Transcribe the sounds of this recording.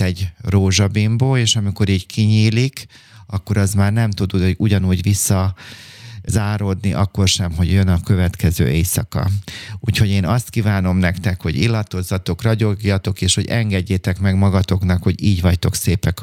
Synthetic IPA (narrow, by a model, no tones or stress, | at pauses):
ɛɟroːʒɒbimboːleːʃɒmiko̞ɾiːckʰiɲiːlik | ɒkːo̞ɾɒzmaːrnɛmt̪ud̪uuɟɒnuːɟʋisːɒ | zaːɾod̪niʔɒkːo̞rʃɛmɦo̞ɟjø̞nɒkø̞vɛt̪kɛzø̰ːʔejsɒkɒ̰uːcho̞ɟeːnɒst̪kiːvaːno̞mnɛkt̪ɛkho̞ɟḭlːɒt̪o̞zːɒt̪o̞krɒɟo̞ɡjɒt̪o̞keːʃho̞ɟɛŋɡɛɟːeːt̪ɛkmɛɡmɒɡɒt̪o̞knɒkho̞ɟiːɟʋɒct̪o̞kseːpɛk